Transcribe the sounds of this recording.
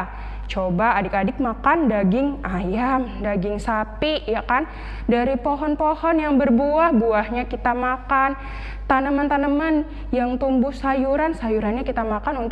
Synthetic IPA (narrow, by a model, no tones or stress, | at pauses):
t͡ʃobaːdɪkadɪk̚makandaɡɪŋajamdaɡɪŋsapiʔjakan | daɾipoɦɔnpohɔnjaŋbərbuahbuahɲakit̪amakan | t̪anəmant̪anəman | jaŋt̪umbʊhsajuɾansajuɾanɲakit̪amakanunt̪